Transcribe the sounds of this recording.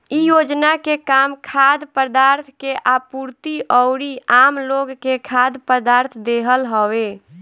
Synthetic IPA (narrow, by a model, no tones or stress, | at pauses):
ijod͡ʒnakekamkʰad̪pəd̪aɾt̪ʰkeʔapuɾt̪iʔɔʊɾiamloɡkekʰad̪pəd̪aɾt̪ʰd̪eɦəlɦəwe